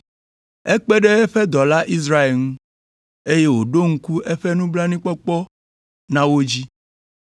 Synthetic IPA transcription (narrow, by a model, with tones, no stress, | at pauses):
ɛ˦k͡pe˦ɖɛ˦ɛ˦ɸɛ˦d̪ɔ˨la˦ʔi˦s̬ɾa˦e˨lŋũ˦ | e˦je˦wo˨ɖo˦ŋ̩˦ku˦ʔɛ˦ɸɛ˦nũ˦bla˦nĩ˦k͡pɔ˦k͡pɔ˦ | nã˦wo˦d͡ʑi˦